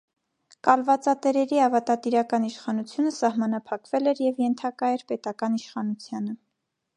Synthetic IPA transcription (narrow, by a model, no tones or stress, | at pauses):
kɑlvɑt͡sɑt̪ɛɾɛɾiɑvɑt̪ɑt̪iɾɑkɑniʃχɑnut͡sʰjunəsɑhmɑnɑpʰɑkvɛlɛɾjɛvjɛnt̪ʰɑkɑjɛɾpɛt̪ɑkɑniʃχɑnut͡sʰjɑnə